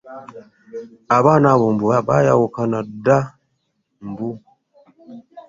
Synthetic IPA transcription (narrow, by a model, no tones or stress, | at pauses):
abanabumbuaɓajawukanada | mbu